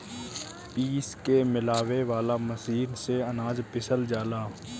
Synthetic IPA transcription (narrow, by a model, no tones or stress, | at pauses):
piːskemɪlaːweʋaːlaməsiːɾseənaːzpɪsəld͡ʒaːlaː